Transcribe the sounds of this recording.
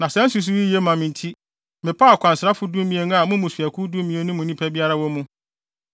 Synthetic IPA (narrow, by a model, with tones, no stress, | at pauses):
nã˨sɛ̃˦n̩˦su˨˦s̬u˦wi˦je˦mã˨mĩ˨n˨tʰi˦ | mɪ̃˨pʰa˦˨kʷʰã˨nsɪ˨ɾa˦fʊ˦dũ˦m˦mĩ˨e˨nũ˦a˨mʊ̃˦mũ˨sɥæ˨kʰu˦dũ˦mĩ˨e˨˦nʊ̃˦mũ˨nĩ˦pʰɛ˦bi˦a˦ɾa˦wɔ˦mũ˦